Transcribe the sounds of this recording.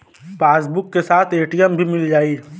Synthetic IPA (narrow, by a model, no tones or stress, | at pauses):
feːs̬bʊkːesaːt̪ʰeːʈijəmbʱimɪld͡ʒaːi